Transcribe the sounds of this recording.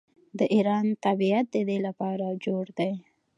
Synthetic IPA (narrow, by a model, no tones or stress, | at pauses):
d̪əʔiɾɑnt̪abiat̪̚d̪əd̪elapɑɾad͡ʒoɽd̪aj